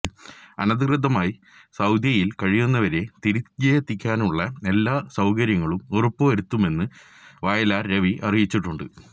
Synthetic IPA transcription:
ɐnɐðɨkrɨd̪ʱɐmaːji | sɐwd̪jɐjilkɐɻijunːɐʋɐɾe̞t̪iɾikɐjɐt̪ːikʲːaːnuɭːɐe̞lːaːsɐwkɐɾjɐŋːɐɭumurupːoʋɐɾut̪ːume̞nːɨ | ʋaːjɐlaːrɾe̞ʋiʔɐrijit͡ɕːiʈːuɳɖɨ̰

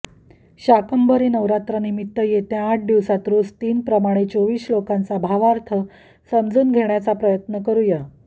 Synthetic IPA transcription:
ɕakəmbʱəɾiːnəʋɾat̪ɾanimit̪ːəjet̪jãːʈ̚ʰd̪iʋsat̪ɾod͡zt̪iːnpɾəmaɽ̃et͡soʋiːslokãnt͡sabʱaʋaɾt̪ʰə | səmd͡zuːnɡʱeɳjat͡sapɾəjət̪nəkəɾuːja

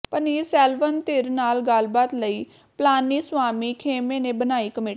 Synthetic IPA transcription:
pəniːɾsɛːlʋənt̪ɪɾnaːlɡəlbaːt̪ləiː | plaːnːiːsʋaːmiːkʰeːmeːnẽːbənaːiːkəmeː

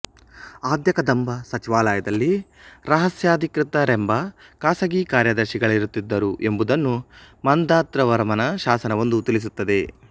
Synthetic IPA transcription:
aːd̪jɐkɐd̪ɐmbɐsɐt͡ʃiʋaːlɐːjɐd̪ɐlːi | ɾɐɦɐsjaːd̪ʱikɾɪt̪ːɐɾembɐkaːsɐɡiːkaːɾjɐd̪ɐɾʃiɡɐɭiɾut̪ːid̪ːɐɾuʔe̞mbud̪ɐnːumɐnd̪aːt̪ɾɐʋɐɾmɐnɐʃaːsɐnɐʋo̞nd̪ut̪ilɭis̬ut̪ːɐd̪e̞

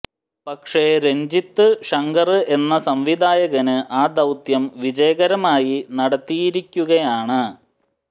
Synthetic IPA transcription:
pɐkʂeɾe̞ɲd͡ʑit̪ːɨʂɐŋɡɐrɨʔe̞nːɐsɐmʋid̪ʱaːjɐɣɐnɨʔaːd̪ɐwt̪jɐmʋid͡ʑɐjɐɣɐɾɐmaːjinɐɽɐt̪ːijiɾikʲːuɣɐjaːɳɨ

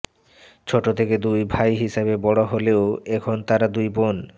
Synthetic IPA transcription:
t͡ɕʰoʈot̪ʰeked̪ujbʱajɦiʃabebɔɽoɦoleoɛkʰont̪aɾad̪ujbon

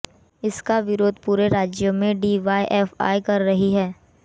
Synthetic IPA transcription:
ɪskaʋɪɾoːd̪̚ʱpuːɾeɾaːd͡ʒjomẽɖiːʋaːʔɛːfa̰ːjkɐɾːɐɦiɦɛː

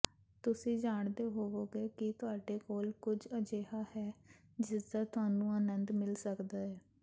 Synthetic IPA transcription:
t̪ʊsĩːd͡ʒaːɳd̪eːɦoːoːɡeːkɪt̪ʊaːɖeːkoːlkʊd͡ʒəd͡ʒeːɦaːhɛːd͡ʒɪsd̪aːt̪ʊɦaːnũːaːnənd̪mɪlsəkd̪aːɦɛː

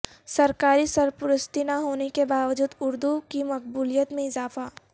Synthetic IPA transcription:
sɐɾkaːɾisɐɾpʊɾʊst̪inaɦoːnekebaːʋəd͡ʒuːd̪ʊɾd̪ukimɐq̚buːlijət̪mẽɪzaːfa

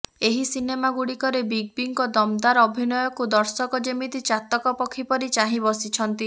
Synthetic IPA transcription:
eɦisinemaɡuɽikɔɾebiɡ̚biŋkɔd̪ɔmd̪aɾɔbʱinɔjɔkud̪ɔɾsɔkɔd͡ʒimit̪it͡ʃat̪ɔkɔpɔkʰipɔɾit͡ʃaɦĩbɔsit͡ʃʰɔnt̪i

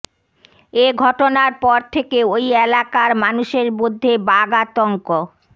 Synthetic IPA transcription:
eɡʱɔʈonaɾpɔɾt̪ʰekeojelakaɾmanuʃeɾmod̪ʱːebaɡat̪ɔŋko

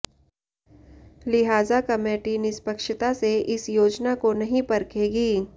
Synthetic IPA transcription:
lɪɦaːzakɐmeːʈinɪspəkʃɪt̪aseʔɪsjoːd͡ʒnakonɐɦĩpɐɾkʰeːɡiː

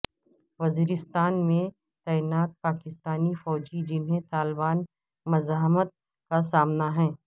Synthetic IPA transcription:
ʋɐziːɾɪst̪aːnmẽ | t̪ɛːɪnaːt̪̚paːkɪst̪aːnifɔːd͡ʒid͡ʒɪnɦẽt̪aːlbaːn | mɐzaːɦmət̪̚ | kasaːmnaɦɛ̃ː

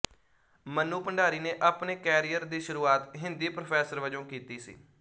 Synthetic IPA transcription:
mənuːpəɳɖaːɾiːneːʔapneːkɛːɾijəɾd̪iːʃəɾuːaːt̪ɦɪnd̪iːpɾopʰɛːsəɾʋəd͡ʒõːkiːt̪iːsḭː

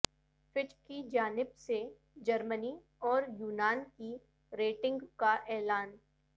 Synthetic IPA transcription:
fɪʈkid͡ʒaːnɪbse | d͡ʒɐɾməni | ɔːɾjuːnaːnki | ɾeːʈɪ̃ŋɡkaʔɛːlaːn

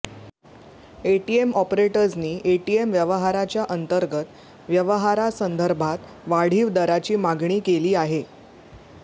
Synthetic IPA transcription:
eʈiemɔpɾeʈəɾd͡zniːʔeʈiemʋjəʋəɦaɾat͡ɕjaʔənt̪əɾɡət̪ | ʋjəʋəɦaɾasənd̪ʱəɾbʱat̪ | ʋaɽ̤iːʋd̪əɾat͡ɕiːmaɡɳ̃iːkeliːaɦe

